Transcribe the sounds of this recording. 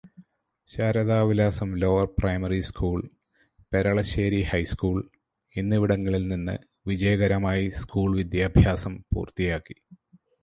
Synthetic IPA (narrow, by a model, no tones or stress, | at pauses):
ɕaːɾɐðaːʋilaːsɐmlo̞ːʋɐrprɐjmɐriskʰuːɭ | pe̞ɾɐɭɐɕeːɾihɐjskuːɭ | enːiʋiɽɐŋːɐɭilninːɨ̰ | ʋid͡ʑɐjɐɣɐɾɐmaːjiskuːɭʋid̪jaːbʱjaːsɐmpṵːrt̪ijaːkːi̥